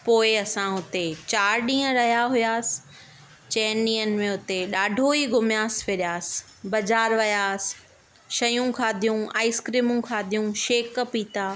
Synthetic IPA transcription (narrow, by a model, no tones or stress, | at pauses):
poːɪɐsãɦʊt̪et͡ɕaːɾɗĩːə̃ɾɐɦijaɦʊjaːsɪ̥ | t͡ɕɛːnɗĩːənɪ̆mẽʊt̪eɗaːɖʱoiɡʊmjaːspʰeːɗijaːsɪ̥̆ | bɐd͡ʑaːɾʋɐjaːsɪ̥ | ʃɐjũkʰaːd̪ʱijũa̰ːɪskɾiːmũkʰaːd̪ʱijũʃeːkːəpiːt̪aː